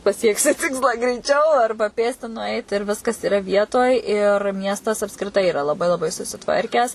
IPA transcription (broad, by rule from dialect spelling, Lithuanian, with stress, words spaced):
pɐˈsʲiɛksʲɪ ˈtʲɪkslˠɑː ɡrʲɛɪˈt͡ʃʲɛʊ ˈɐrbɐ ˈpʲeːsʲtʲɪ nʊˈɐɪt ɪr ˈʋʲɪskɐs ɪˈrɐ ˈʋʲiɛtoːj ɪr ˈmʲiɛstɐs ɐpskrʲɪˈtɐɪ ɪˈrɐ lˠɐˈbɐɪ lˠɐˈbɐɪ sʊsʲɪˈtʋɐrʲkʲæːs